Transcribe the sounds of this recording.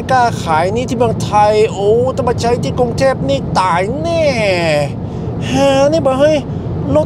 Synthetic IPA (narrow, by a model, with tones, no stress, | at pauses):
kaː˥˩kʰaː˩˦jniː˥˩iː˥˧mɯ˧əŋt̪ʰa˧jʔoː˧˩t̪ʰa˧mpa˧t͡ɕʰa˧jt̪ʰiː˥˩ku˧ŋt̪ʰeː˥˩p̚niː˥˩t̪aː˨˩jnɛː˥˩ | hãː˧˩niː˥˩bɔː˨˦ɦa˥˩j | lo˦˧˥